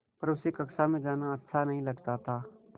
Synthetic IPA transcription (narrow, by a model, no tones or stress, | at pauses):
pɐɾʊsekɐksamẽd͡ʒaːnaɐtːʃʰanɐɦĩlɐɡtaːt̪aː